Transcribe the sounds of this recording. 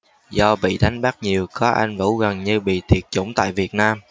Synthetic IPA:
zɔ˧ɓḭ˧˨ɗa˨˦jŋ̟ɓaː˦˥k̚ɲi˨˩əwkɔ˨˦ʔa˧jŋ̟vṵ˧˥ɣə˨˩nɲɨ˧ɓḭ˧˨t̪ʰi˨˩ət̚t͡ɕʊ̰˧˥wŋ͡mt̪a̰ː˧˨jvi˨˩ət̚naː˧m

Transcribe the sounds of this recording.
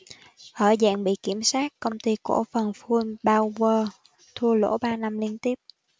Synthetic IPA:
ʔəː˧˩za̰ː˧˨ŋɓḭ˧˨ki˧˩əmsaː˦˥t̚kə˧wŋ͡mt̪i˧ku˧˩əfə˨˩nfu˧nɓaː˧wvəː˧˩ | t̪ʰu˧əlo̰˧˥ɓaː˧na˧mli˧ənt̪i˦˥əp̚

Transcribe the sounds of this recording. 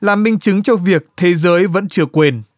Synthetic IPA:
laː˨˩mɓï˧ŋ̟t͡ɕɨ˨˦ŋt͡ɕɔ˧vi˨˩ək̚t̪ʰe˨˦zəː˨˦jvə̰˧˥nt͡ɕɨ˧˩əkwe˨˩n

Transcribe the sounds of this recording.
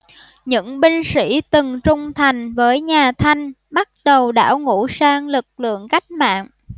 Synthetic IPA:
ɲɨ̰˧˥ŋɓi˧ŋ̟sḭ˧˥t̪ɨ˨˩ŋt͡ɕʊ˨˧ŋ͡mt̪ʰa˨˩jŋ̟vəː˨˦jɲaː˨˩t̪ʰa˧jŋ̟ | ɓa˦˥t̚ɗə˨˩wɗa̰ː˧˥wŋṵ˧˥saː˧ŋlɨ˨˩k̚lɨ̰˧˨əŋka˦˥jk̟̚ma̰ː˧˨ŋ

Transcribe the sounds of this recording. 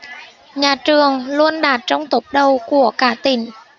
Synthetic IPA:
ɲaː˨˩t͡ɕɨ˨˩əŋlu˧ənɗaː˨˩t̚t͡ɕɔ˧wŋ͡mt̪o˨˦˥t̚ɗə˨˩wku˧˩əkaː˧˩t̪ï˧˩ŋ̟

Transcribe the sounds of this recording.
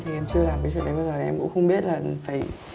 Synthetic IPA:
t̪ʰi˨˩ʔɛ˧mt͡ɕɨ˧əlaː˨˩mi˨˧˦jsṵ˧˨ɗə˨˩jɓəː˧˩zəː˨˩˨ʔɛ̰˧kʊ̰˧˥ŋ͡mxə˧wŋ͡mɓi˦˥ət̚laː˨˩˧faː˧˩j

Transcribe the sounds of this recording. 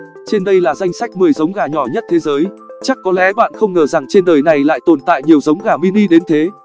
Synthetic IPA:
t͡ɕe˧nɗə˧jlaː˨˩za˧jŋ̟sa˦˥jk̟̚mɨ˨˩əjzə˨˦wŋ͡mɣaː˨˩ɲɔ˧˩ɲə˦˥t̚t̪ʰe˨˦zəː˨˦j | t͡ɕa˦˥kːɔ˨˦lɛ̰˨˦ɓa̰ː˧˨nxə˧wŋ͡mŋəː˧˩za˨˩ŋt͡ɕe˧nɗəː˨˩jna˨˩jla̰ː˧˨jt̪o˨˩nt̪a̰ː˧˨jɲi˨˩əwzə˨˦wŋ͡mɣaː˨˩mi˧ni˧ɗe˨˦nt̪ʰe˨˦

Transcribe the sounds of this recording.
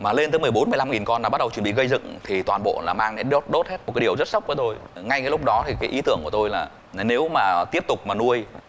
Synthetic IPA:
maː˨˩le˧nt̪ə˨˦mɨ˨˩əjɓo˨˦nmɨ˨əjla˧mŋi˨˩nkɔ˧nlaː˨˩ɓt̚ɗwt͡ɕə˩ɓḭ˧˨ɣə˧jzɨ̰˧˨ŋt̪ʰi˨˩t̪waː˨˩nɓo̰˧˨laː˨˩maː˧ŋe˨˦ɗo˦˥t̚ɗo˦˥t̚he˦˥t̚mo˨˩t̚aː˨˦i˨˩əwzə˦˥t̚sa˦˥wk͡p̚vəː˨˦t̪o˧jŋa˧jkaː˨˦lʊ˦˥k͡p̚ɗɔ˨˦t̪ʰi˨˩kaː˨˦ʔi˨˦t̪ɨ˧˩əŋku˧˩ət̪o˧jlaː˨˩ | ne˨˦wmaː˨˩t̪i˦˥əp̚t̪ʊ˨˩k͡p̚maː˨˩nu˧əj

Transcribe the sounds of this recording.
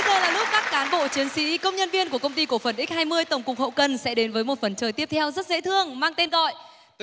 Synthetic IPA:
ə˧jzəː˨˩laː˨˩lʊ˦˥p̚kaː˦˥kːaː˨˦nɓo̰˧˨t͡ɕi˨˦ənsḭ˧˥kə˧wŋ͡mɲə˧nvi˧ənku˧˩əkə˧wŋ͡mt̪i˧ku˧˩əfə˨˩nʔi˦˥k̟̚haː˧jmɨ˧əjt̪ə˧˩wŋ͡mkʊ˨˩k͡p̚hə̰˧˨wkə˨˩nsɛ̰˧˥ɗe˨˦nvəː˨˦jmo˨˩t̚fə˨˩nt͡ɕəː˨˩jt̪i˦˥əp̚t̪ʰɛ˧wzə˦˥t̚zḛ˧˥t̪ʰɨ˧əŋmaː˧ŋt̪e˧nɣɔ̰˧˨jʔ

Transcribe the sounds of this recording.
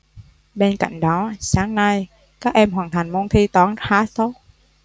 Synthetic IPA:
ɓe˧nka̰˧˨jŋ̟ɗɔ˨˦saː˨˦ŋna˧j | kaː˦˥k̚ʔɛ˧mɦwaː˨˩nt̪ʰa˨˩jŋ̟mo˧nt̪ʰi˧t̪waː˨˦nxaː˨˦so˦˥t̚

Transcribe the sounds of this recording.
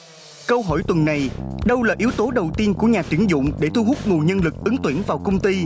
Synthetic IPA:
kə˧wɦɔ̰˧˩jt̪wə˨˩nːa˨˩jɗə˧wlaː˨˩ʔi˨˦əwt̪o˨˦ɗə˨˩wt̪i˧ənku˧˩əɲaː˨˩t̪wi˨˧˥ənzʊ̰˧˨ŋ͡mɗe˧˩t̪u˧ɦʊ˦˥k͡p̚ŋu˨˩ɲə˧nlɨ˨˩k̚ʔɨ˨˦ŋt̪wi˧˩ənvaː˨˩wkə˧wŋ͡mt̪i˧

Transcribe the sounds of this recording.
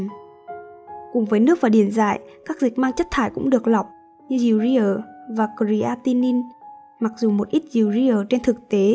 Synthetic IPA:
kʊ˨˩ŋ͡mvəː˨˦jnɨ˦˥ək̚vaː˨˩ɗi˧˩ənza̰ː˧˨jkaː˦˥k̚zï˨˩k̚maː˧ŋt͡ɕə˦˥t̚t̪ʰaː˧˩jkʊ̰˧˥ŋ͡mɗɨ˨˩ək̚la˨˩wk͡p̚ | ɲɨ˧zi˨˩wzi˧ʔəː˨˩vaː˨˩kɾi˨˧˦ʔaː˧t̪i˧ni˧n | ma˨˩k̚zu˨˩mo˨˩t̚ʔi˦˥t̚zi˨˩əwzi˧ʔəː˨˩t͡ɕe˧nt̪ʰɨ˨˩k̚t̪e˨˦

